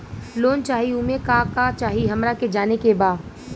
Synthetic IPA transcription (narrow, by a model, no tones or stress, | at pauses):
loːnt͡ʃaːɦiumekakat͡ʃaːɦiɦɐmɾaked͡ʒaːnekebaːd̪